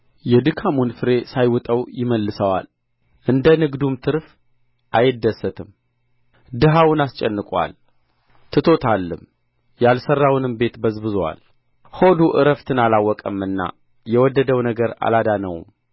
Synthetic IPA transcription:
jɛd̪ɨkʰamunfɨɾe̞sajwʊt̪ʼəwjɪməlːɨsəwa̰l | ʔɨnd̪ənɨɡd̪umt̪ʰɨɾf | ʔajɪd̪ːəsːət̪ʰɨm | d̪ɨɦawʊnast͡ʃʼɛnːɨkʼwa̰l | t̪ʰɨt̪ʰo̞t̪ʰalːɨm | jalsərːawnɨmbe̞t̪bəzbɨzwa̰l | ho̞d̪uʔɨɾəft̪ʰɨnalawːɔkʼəmɨnːa̰ | jɛwɔd̪ːəd̪əwnəɡəɾa̰lad̪anə̰w̰m

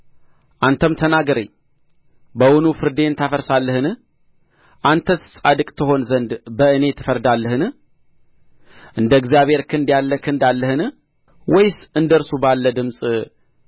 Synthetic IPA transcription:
ʔant̪ʰəmt̪ʰənaɡəɾḛɲ | bəwʊnufɨɾd̪e̞nt̪ʰafəɾsalːəhɨnɨh | ʔant̪ʰəsɨ̥sʼad̪ɨkʼt̪ʰɨɦo̞nzənd̪bəɨne̞t̪ʰɨ̥fəɾd̪alːəhɨnɨh | ʔɨnd̪əɡzijaβhe̞ɾkʰɨnd̪jalːəkʰɨnd̪alːəhɨnɨ | wɔjsɨnd̪əɾsubalːəd̪ɨmsʼ

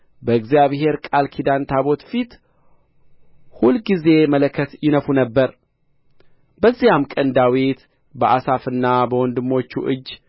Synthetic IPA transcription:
bəɨɡzijaβɦe̞ɾkʼalkʰid̪ant̪ʰaβo̞t̪fit̪ | hulɡize̞mələkʰːət̪jɪnəfunəbːəɾ | bəzːijamkʼənd̪awit̪ | bəʔasafɨnːabəwɔnd̪ɨmːo̞t͡ʃːuʔɨd͡ʒː

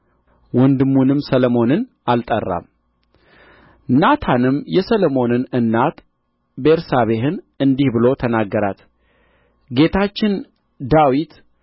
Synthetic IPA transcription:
wɔnd̪ɨmːunɨmsəlomo̞nɨn | alt̪ʼərːa̰m | nat̪ʰanɨmjɛsəlomo̞nɨnɨnːat̪ | beɾsaβe̞ɦɨn | ɨnd̪ihbɨlo̞t̪ʰənaɡːəɾa̰t̪ | ɡe̞t̪ʰat͡ʃːɪn | d̪awit̪

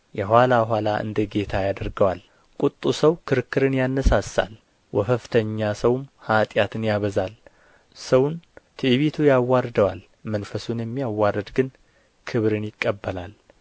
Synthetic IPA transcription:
jɛhʷwalabəɦʷalaʔɨ̰nd̪əɡe̞t̪ʰajad̪əɾɡəwal | kʼut̪ʼːusəwkʰɨɾɨkːɨɾɨnjanːəsasːa̰l | wɔfəft̪ʰəɲːasəwmhat̪ʼjat̪ʰɨnjaβəzal | səwnt̪ʰɨʔβit̪ʰujawːaɾd̪əwal | mənfəsunjɛmːijawːaɾːəd̪ɡɨn | kʰɨβɾɨnjɪkʼːəbːəlal

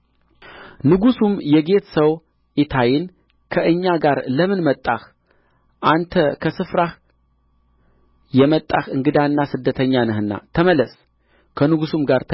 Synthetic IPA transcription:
nɨɡusumjɛɡe̞t̪səw | ʔit̪ʰajɪn | kʰəʔɨɲːaɡaɾləmɨnmət̪ʼːah | ʔant̪ʰəkʰəsɨfɾah | jɛmət̪ʼːaxɨŋɡɨd̪anːasɨd̪ːət̪ʰəɲːanəhɨnːa̰t̪ʰəməlːəs | kʰənɨɡusumɡaɾt̪ʰ

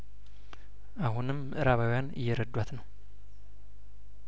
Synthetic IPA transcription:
ʔaɦunɨmːɨʔɨɾaβawjanɨ̰jːɛɾəd̪ːwat̪nəw

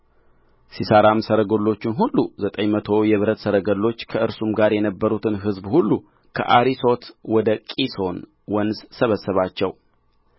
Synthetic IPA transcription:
sisəɾamsəɾəɡolːo̞t͡ʃːɪnɦulːuzət̪ʼəɲmət̪ʰo̞jɛβɨɾət̪səɾəɡəlːo̞t͡ʃːkʰəʔɨɾsumɡaɾjɛnəbːəɾut̪ʰɨnɦɨzbhulːu | kʰə̰ʔaɾiso̞t̪wɔd̪əkʼiso̞n | wɔnssəβəsːəβat͡ʃːɛw

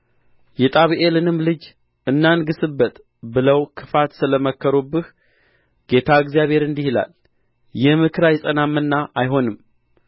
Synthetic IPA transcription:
jɛt̪ʼaβiʔelɨnɨmlɨd͡ʒ | ɨnːanɡɨsɨbːət̪ʼ | bɨləwkʰɨ̥fat̪sɨləməkʰːəɾubːɨh | ɡ̥e̞t̪ʰaɨɡzijaβhe̞ɾɨnd̪ihila̰l | jɛmɨkʰɨɾajɛsʼənamːɨnːaʔajɦo̞nɨm

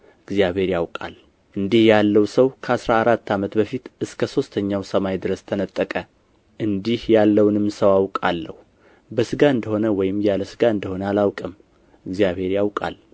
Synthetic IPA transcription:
ɨɡzjaβhe̞ɾjawkʼa̰l | ʔɨnd̪ihjalːəwsəwkʰəasɾaːɾat̪ʰːamət̪bəfit̪ɨskʰəso̞st̪ʰəɲːawsəmajd̪ɨɾəst̪ʰənət̪ʼːəkʼə | ʔɨnd̪ihjalːəwnɨmːsəwawkʼalːəhu | bəsɨɡaɨnd̪əho̞nəwɔjɪmjaləsɨɡaɨnd̪əho̞nəalawkʼɨm | ɨɡzjaβhe̞ɾjawkʼa̰l

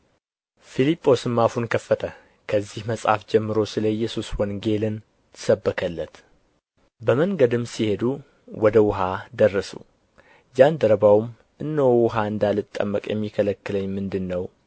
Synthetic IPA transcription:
filipʼːo̞sɨmːafunkʰəfːət̪ʰə | kʰəzːihməsʼha̰fd͡ʒɛmːɨɾo̞sɨləjːɛsuswɔnɡe̞lɨn | t̪ʰɨ̥səbːəkʰəlːət̪ | bəməŋɡəd̪ɨmsihe̞d̪u | wɔd̪əwʊɦad̪ərːəsṵ | d͡ʒand̪əɾəbawm | ʔɨnːəwwʊɦaɨnd̪alɨt̪ʼːə̰mːəkʼjɛ̰mːikʰələkːɨləɲːmɨnd̪ɨnːəw

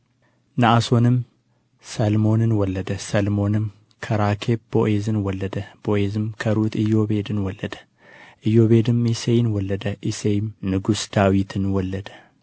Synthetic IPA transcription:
naʔaso̞nɨm | sɐlmo̞nɨnwɔlːəd̪əsɐlmo̞nɨm | kʰɐɾakʰebboʔezɨnwɔlːəd̪əb̥oʔezɨmkʰəɾut̪ɨjo̞be̞d̪ɨnwɔlːəd̪ə | ʔɨjːo̞βed̪ɨmisejnwɔlːəd̪əʔisejmnɨɡusd̪̥awit̪ʰɨnwɔlːəd̪ə

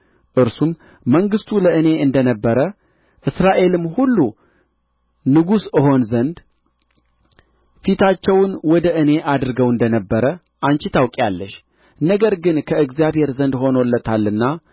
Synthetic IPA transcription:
ʔɨɾsumː | əŋɡɨst̪ʰuləʔɨne̞ɨnd̪ənəbːəɾə | ʔɨsɾaʔe̞lɨmːhulːu | nɨɡusɨɦo̞nzənd̪ | fit̪ʰat͡ʃːɛwnwɔd̪əʔɨne̞ʔad̪ɾɨɡəwɨnd̪ənəbːəɾə | ʔant͡ʃɪt̪ʰawkʼalːəʃ | nəɡəɾɡɨnkʰəɨɡzijaβhe̞ɾzənd̪ho̞nolːət̪ʰalːɨnːa

